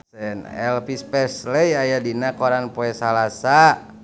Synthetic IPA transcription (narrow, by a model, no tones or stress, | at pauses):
ɛnɛ̰lfispɛsləjajadinakoɾanpoɛsalasa